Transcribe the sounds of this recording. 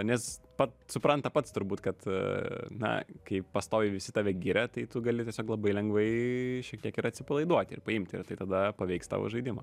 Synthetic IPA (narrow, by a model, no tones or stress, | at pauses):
nʲɛs | pɐtsʊpɾɐnt̪ɐpɐt̪st̪ʊɾbuːt̪kɐt̪ | nɐ̰kɐɪpɐst̪oːjɪʋʲɪsʲɪt̪ɑːʋʲɛɡʲiɾʲɛt̪ɐɪt̪ʊɡɐlʲɪt̪ʲiɛsʲoːklˠɐbɐɪlʲɛŋɡʋɐɪʃʲiɛk̚t̪ʲiɛkɪɾɐtʲsʲɪpɐlˠɐɪd̪uɔt̪ʲɪ̰rpɐɪmʲt̪ʲɪ̰ɾt̪ɐɪt̪ɐd̪ɐpɐʋʲɛɪkst̪ɑ̰ːʋo̰ʒɐɪdʲɪmɐ̰